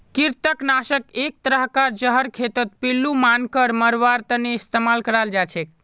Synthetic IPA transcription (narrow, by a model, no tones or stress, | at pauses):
kiɾt̪əknasəkek̚t̪əɾəɦkad͡ʒəɦəɾkʰet̪ət̪̚pilːumankəɾməɾʋaɾt̪əneist̪emalkəɾald͡ʒat͡ʃʰɛk̚